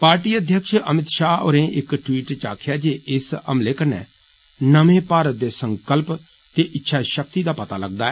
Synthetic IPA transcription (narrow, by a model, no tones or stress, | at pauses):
paːɾʈiːəd̪ʱjəkʃəmɪt̪ʃaːo̰ːɾẽʔɪkʈwiːʈt͡ʃa̰ːkʰjaːd͡ʒeːʔɪsə̰mleːkəɾnɛ̰ː | nəmẽːpaːɾət̪̚d̪eːsə̃ŋkəlp | t̪eːʔɪtːʃʰaːʃək̚t̪id̪aːpɐt̪aːlɐɡ̚d̪aːɛ